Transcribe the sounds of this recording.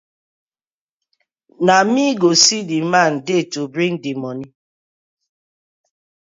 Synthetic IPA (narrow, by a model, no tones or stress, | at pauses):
namiɡosidiman̩detubɾiŋdimɔni